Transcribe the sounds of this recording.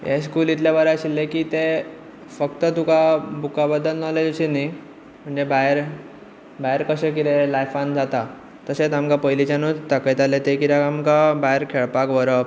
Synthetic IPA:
jḛs̬kuːlit̪ljabaɾaɕilːekit̪e | fəkt̪ət̪ukabukabəd̪ːəlnɔled͡zɕini | m̤əɳd͡ʑebajɾ | bajɾkəɕekit̪elajfand͡zat̪a | t̪əset͡samkapəjlit͡ɕanut͡st̪akət̪alet̪ekiɾaamkabaeɾkʰeɭpakʋəɾəp

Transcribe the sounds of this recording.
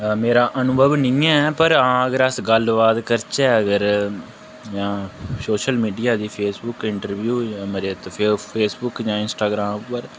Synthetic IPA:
meːɾaːʔənʊbəʋnɪ̃ːɛːpəɾãːəɡəɾəsɡəlʋaːd̪kəɾt͡ʃɛːəɡəɾ | jãːsoːʃəlmiːɖijaːd̪iːpʰeːsbʊkɪɳʈəɾʋjuːməɾeːt̪ːpʰːpʰeːsbʊkd͡ʒãːɪnsʈaːɡɾãːmpːəɾ

